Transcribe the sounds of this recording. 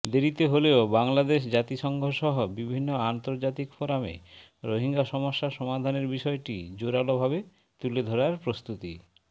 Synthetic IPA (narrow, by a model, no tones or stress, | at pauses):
d̪eɾit̪eɦoleobaŋlad̪eʃ̬d͡ʑat̪iʃɔŋɡʱoʃɔɦobibʱinːoant̪oɾd͡ʑat̪ikfoɾamḛ | ɾoɦiŋɡaʃɔmoʃːaʃɔmad̪ʱaneɾbiʃɔeʈḭd͡ʑoɾalobʱabe | t̪uled̪ʱoɾaɾpɾost̪ut̪ḭ